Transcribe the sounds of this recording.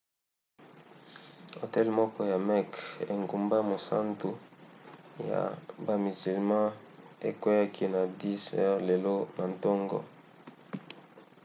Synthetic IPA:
o˨tɛ˦lmɔ˦kɔ˦ja˨mɛ˦kḛ˨ŋɡu˨mba˦mo˨sa̰˦ntu˨ | ja̰˨ba˨mi˨zi˨lmã˦ | e˨kwe˦ja˦kʰi˦na˨di˦sɛ˦ʁle˨lo˦na˨ntɔ˦ŋɡɔ̰˨

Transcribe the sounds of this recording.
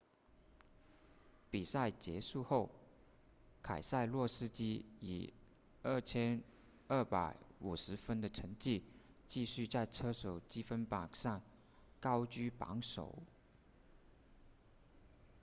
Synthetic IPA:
pi˨˩sa˥˩ɪt͡ɕjɛ˧˥ʂu˥˧xo˥˩ʊ | kʰa˨˩ɪsa˥˧ɪlwɔ˥˩sɹ̩˥t͡ɕi˥ḭ˨˩ | ə˥˩t͡ɕʰjɛ˥n | ə˥˩pa˧˥ɪu˨˩ʂɻ̩˧˥fə˥nd̪ə˨ʈ͡ʂʰə˧˥ŋt͡ɕi˥˧ | t͡ɕi˥˧ɕy˥˧t͡sa˥˧ɪʈ͡ʂʰɤ˥ʂo˨˩ʊt͡ɕi˥fə˥npɑ˨˩ŋʂɑ˥˩ŋ | kɑ˥ʊt͡ɕy˥pɑ̰˧˥ŋʂo̰˨˩˦ʊ

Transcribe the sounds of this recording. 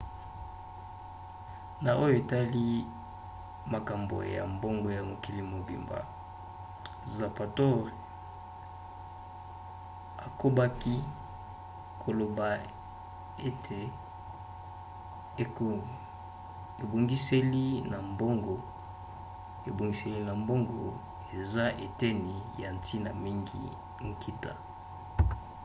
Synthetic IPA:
na˨ʔo˦jo˦e˨ta˦li˦ | ma˨ka˨mbo̰˨ja̰˨mbo˦ŋɡo˨ja˨mo˨ki˨li˨mo˨bḭ˨mba̰˨ | za˨pa˨tɔ˦ʁ | a˨ko˦ba˦ki˦ | kʰo˨lo˨ba˨ | e˦tʰe˨ | ko˨ | e˨bo˨ŋɡi˦se˦li˦na˨mbo˦ŋɡo˨ | e˨bo˨ŋɡi˨˦se˨li˦na˨mbo˦ŋɡo˨ | e˨za˦ʔe˨tɛ˦ni˨ja˨n˨tʰi˦na˨mi˦ŋɡḭ˨ | ŋ̩˨kʰi˦ta̰˨

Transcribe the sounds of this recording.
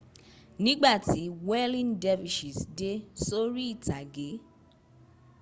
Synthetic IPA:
nĩ˦ɡ͡ba˦˨ti˨˦wɛ˦lĩ˦ndɛ˦fi˨ʃi˨sde˦so˦ɾi˦i˦˨ta˨ɡe˨˦

